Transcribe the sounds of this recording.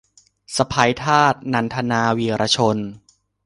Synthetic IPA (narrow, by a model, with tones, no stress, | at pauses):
sa˧pʰa˧jt̪ʰaː˥˩t̪̚na˧˩nt̪ʰa˧naː˧wiː˨˧ɾʔa˧t͡ɕʰo˧n